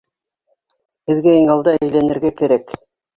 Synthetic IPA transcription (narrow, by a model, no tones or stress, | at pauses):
hɘ̆ðɡæiŋɑlˠd̪ɑæjlænɘ̆ɾɡækæ̆ɾæk